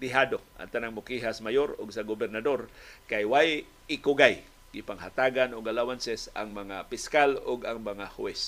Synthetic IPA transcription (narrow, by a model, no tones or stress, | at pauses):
d̪ɪɦaːd̪oʔa̰ŋt̪anaŋmʊkiɦasmajoɾʊɡsaɡobɛɾnad̪oɾkajwaj | ɪkʊɡaj | ɡɪpaŋɦat̪aːɡanʊɡalawansɛsa̰ŋmɐŋapɪskalʊɡaŋmɐŋahʊɛs